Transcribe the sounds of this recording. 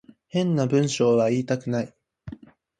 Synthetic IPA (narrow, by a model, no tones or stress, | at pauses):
hẽ̞nːabɯ̟̃ɰ̃ɕo̞ːβaiːt̪akɯ̟nai